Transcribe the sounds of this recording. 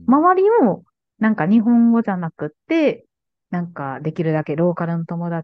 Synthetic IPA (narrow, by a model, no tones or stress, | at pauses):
maβaɾʲimo | nãŋkaɲ̟iɦõ̞ŋɡo̞ʑanakɯ̟t̪ːe̞ | nãŋkad̪e̞kʲiɾɯ̟d̪ake̞ɾo̞ːkaɾɯ̟nːo̞t̪o̞mo̞d̪a